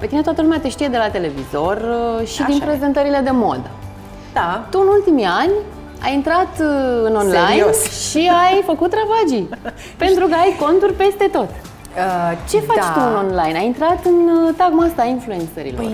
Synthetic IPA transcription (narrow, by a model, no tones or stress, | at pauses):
pet̪inet̪at̪əlumeat̪eʃt̪ijed̪e̞lat̪e̞le̞vizo̞rʃid̪inpɾe̞ze̞nt̪əɾile̞d̪e̞mo̞̰d̪ə | t̪uɨnult̪imianʲ | a̰jint̪ɾat̪ɨno̞nlajosʃiajfəkut̪ːɾavad͡ʒi | pe̞nt̪ɾukəajko̞nt̪urʲpe̞st̪e̞t̪o̞t̪ | ət͡ʃe̞fat͡ʃt̪uɨno̞nlajnajint̪ɾat̪ɨnt̪aɡmast̪ainflue̞nt̪sə̰ɾḭlor